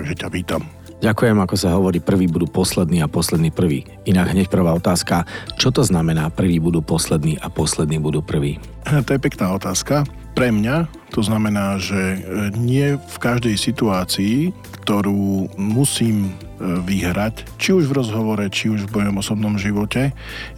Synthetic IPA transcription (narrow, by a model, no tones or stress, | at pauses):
aɡʒɛcapiːt̪am | ɟakujɛmakɔsaɦɔʋɔɾiːpr̩ʋiːbud̪uːpɔslɛd̪niːapɔslɛd̪niːpr̩ʋḭː | inaɡɦɲɛc̚pr̩ʋaːɔt̪aːskat͡ʃɔt̪ɔznamɛnaːpr̩ʋiːbud̪uːpɔslɛd̪niːʔapɔslɛd̪niːbud̪uːpr̩ʋḭː | t̪ɔjɛpɛknaːɔt̪aːska | pɾɛmɲa | t̪ɔznamɛnaːʒɛɲɪɛfkaʒd̪ɛjsit̪uaːt͡siikt̪ɔɾuːmusiːm | ʋiɦɾac | t͡ʃiuʒvɾɔzɦɔʋɔɾɛt͡ʃiuʒvmɔjɔmɔsɔbnɔmʒiʋɔcɛ